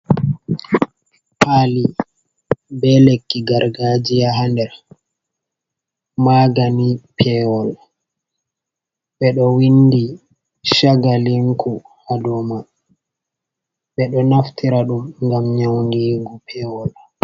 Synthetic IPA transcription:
pʰaːli | bɛlekːiɡaɾɡaːd͡ʒijaɦandɛɾ | maɡanipʰɛwɔl | ɓɛɗɔwindi | ʃaɡaliŋkʰu | hadɔma | ɓɛɗɔnaftʰiɾaɗumŋɡamɲawŋɡiɡupʰɛwɔl

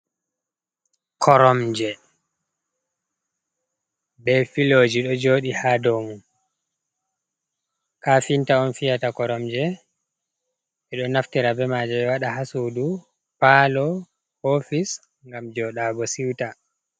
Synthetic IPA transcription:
kʰɔɾɔmd͡ʒɛ | bɛfiloːd͡ʒiɗɔd͡ʒoːɗihadomu | kaːfintaɔnfijatakɔɾɔmd͡ʒɛ | ɓɛɗɔnaftiɾabɛmaːd͡ʒɛɓɛwaɗaɦasudu | paːlɔ | hofis | ŋɡamd͡ʒɔɗaːɡɔsiwta

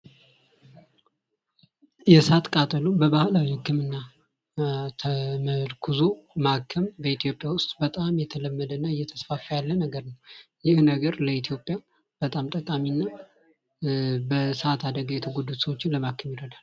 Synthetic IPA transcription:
jɛsʔat̪kʼat̪ʼəlubəbahlawihɨkːɨmɨnːa | t̪ʰəməlkʰuzomakʰːəmbəit̪ʰijo̞pʼjawʊst̪ʼbət̪ʼamjɛt̪ʰələmːəd̪ənːaɨjːɛt̪ʰəsfafəjalːənəɡəɾnəwjɪhnəɡəɾləit̪ʰjo̞pʼːja | b̥ət̪ʼamt̪ʼəkʼaminːa | bəsəat̪ʰad̪əɡəjɛt̪ʰəɡod̪ːut̪səwot͡ʃːɪnləmakʰːɨmjɪɾəd̪al

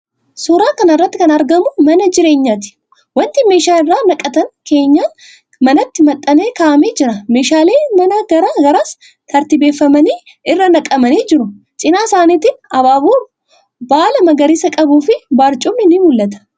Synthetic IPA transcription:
soːɾaːkɐnɪrːɐt̪ːɪkɐnɐɾɡɐmʊmɐnɐd͡ʒɪɾe̞ːɲːaːt̪ɪ̥ | wɐnt̪ɪmeːʃaːɪrːaːnɐkʼːɐt̪ɐŋke̞ːɲːaː | mɐnɐt̪ːɪmɐt̪ʼːɐne̞ːkaːʔɐmeːd͡ʒɪɾɐme̞ːʃaːleːmɐnɐɡɐɾaːɡɐɾaːs | t̪ʰɐɾt̪ɪbe̞ːfːɐmɐniː | ɪrːɐnɐkʼɐmɐniːd͡ʒɪɾʊ | t͡ʃʼɪnaːsaːniːt̪ɪnɐbaːboː | baːlɐmɐɡɐɾɪsɐkʼɐbuːfɪbaːɾt͡ʃʼʊmnɪnɪmʊlːɐt̪ɐ̥

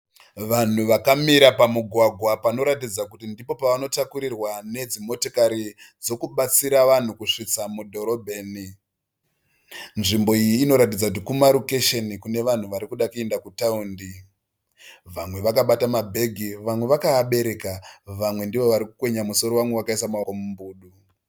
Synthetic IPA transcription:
ʋan̤uʋakamiɾapamuɡʱwaɡʱwapano̞ɾatid͡zakutindipo̞paʋano̞takuɾirwane̞d͡zimo̞tokaɾid͡zo̞kuɓat͡siɾaʋan̤ukuʂit͡samudʱo̞ɾo̞bʱeːni | nʐimbo̞ijiːno̞ɾat̬id͡zakut̬ikumaɾoke̞ʃenikune̞ʋan̤uʋaɾikuɗakue̞ndakutaundi | ʋamwe̞ʋakaɓatamabʱe̞ɡʱiʋamwe̞ʋakaːɓe̞ɾe̞kaʋamwe̞ndiʋo̞ʋaɾikukwe̞ɲamuso̞ɾo̞wamwewakaisamakomumbuːɗu

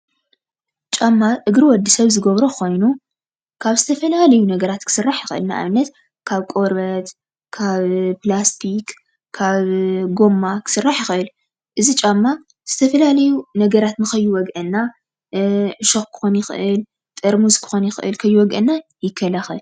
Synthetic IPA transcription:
t͡ʃʼamːaʔɨɡɾiwɔd̪ːisɐβzɨɡɐβɾokʰo̞jnu | kʰaβzɨt̪ʰɐfɐlalɐjunɐɡɐɾat̪kʰɨ̥sɨrːaħjɪxʔɨ̰lna̰ʔa̰βɨnːɐt̪ | kʰaβkʼo̞ɾbɐt̪ | kʰaβplast̪ʰik | kʰːaβɡo̞mːakʰɨ̥sɨrːaħjɪxʔɨl | ʔɨzit͡ʃʼamːa | z̥ɨt̪ʰɐfɐlalɐjunɐɡɐɾat̪nɨxɐjːuwɔɡʔɨnːa | ʔɨʃɨxkʰɨ̥xonjɪxʔɨl | t̪ʼɐɾmuzkʰɨ̥xonjɪxʔɨ̰lkʰɐjːuwɔɡʔɨnːajɪkʰːɐlaxɨl

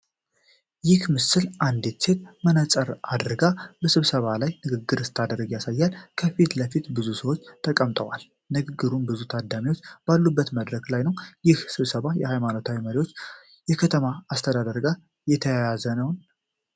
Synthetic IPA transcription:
jɪhmɨsɨlʔand̪it̪sʰet̪̚mənəsʼəɾad̪ɨɾɡabəsɨβsəβalajnɨɡɨɡːɨɾɨst̪ʰad̪əɾəɡjasajːalkʰəfit̪ləfit̪bɨzusəwo̞t͡ʃːt̪ʰəkʼəmt̪ʼəwal | nɨɡɨɡːɨɾunbɨzut̪ʰad̪ːamiwot͡ʃːb̥alːubːət̪məd̪ɾəklajnəwjɪhsɨβsəβajɛhajmanot̪ʰawiməɾiwo̞t͡ʃː | jɛkʰət̪ʰəmaːst̪ʰəd̪ad̪əɾɡa | jɛt̪ʰəjajazənəwn

